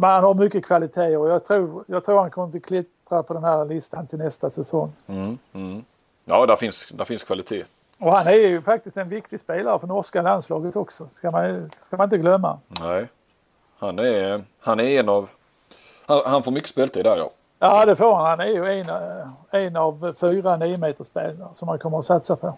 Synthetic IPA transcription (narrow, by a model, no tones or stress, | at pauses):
mɛnhanhaɾmʏkːəkʰvalɪt̪ʰeːɔjɑːɡt̪ʰɾuːɾjɑːɡt̪ʰɾuːɾhankʰɔməɾɪnt̪əkʰlɪt̪ɾapʰɔd̪ɛnhæːɾlɪst̪ant̪ʰɪlnɛst̪asɛsɔŋ̩ː | jɑːd̪æɾfɪnsd̪æɾfɪnskʰvalɪt̪ʰeː | ɔhanæɾjɵfak̚t̪ɪst̪ɛnvɪkt̪ɪspeːlaɾəfɾɔnɔskalanslɑːɡət̪ɔksɔskamanskamanɪnt̪əɡlœmːa̰nɛɪ | hanæɾ | hanæɾɛnɑv | hanhanfoːɾmʏkːə̥speːlt̪ʰɪd̪æɾjɑ̰ː | jɑːd̪ɛfoːɾhanhanæɾjɵɛnɛnavfyːɾaniːəmeːt̪əʂpeːlaɾʂɔmhankʰɔmːəɾɔsat̪sapʰɔ